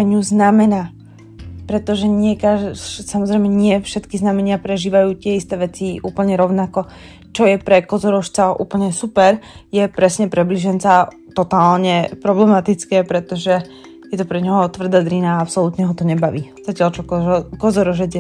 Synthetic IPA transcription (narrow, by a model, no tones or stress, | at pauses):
ɛɲuznamɛnaː | pɾɛt̪ɔʒɛɲɪɛkasamɔzɾɛjmɛɲɪɛfʃɛt̪kiznamɛɲɪapɾɛʒiːʋajuːt̪ɪɛist̪ɛːʋɛt͡siuːpl̩ɲɛɾɔʊnakɔ | t͡ʃɔjɛpɾɛkɔzɔɾɔʃt͡saʔṵːpl̩ɲɛsupɛɾjɛpɾɛsɲɛpɾɛbliʒɛnt͡sa | t̪ɔt̪aːlɲɛpɾɔblɛmat̪it͡skɛːpɾɛt̪ɔʒɛ | jɛt̪ɔpɾɛɲɦɔt̪ʋr̩d̪aːd̪ɾinaːapsɔlut̪ɲɛɦɔt̪ɔɲɛbaʋiːz̥acɪalt͡ʃɔkɔzɔɾɔʒɛd͡zjɛ